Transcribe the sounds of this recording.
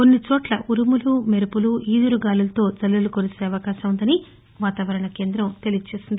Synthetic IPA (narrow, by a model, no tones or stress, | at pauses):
konːit͡ʃoːʈlɐʔuɾumulumeɾupuluiːd̪uɾuɡaːlulɐt̪o̞ːd͡ʒɐlːulukoɾuse̞ːɐʋɐkaːʃɐmund̪ɐni | ʋaːt̪aːʋɐɾɐɳɐke̞ːnd̪ɾɐmt̪e̞lid͡ʒut͡ʃeːsind̪i